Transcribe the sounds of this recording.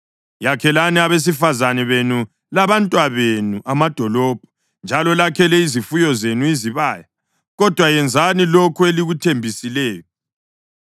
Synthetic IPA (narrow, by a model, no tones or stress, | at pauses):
jakʰɛlaniaβes̬ifazanɛβenu | laβantʼwaβenuʔamad̥ʱɔlɔb̥̚ʱɔ̥ | nd͡ʒʱalɔlakʰɛlɛizifujɔzenuiziβaːja | ɣɔd̥ʱwajɛnd͡zʱanilokʰueliɣutʰembʱisilɛːjɔ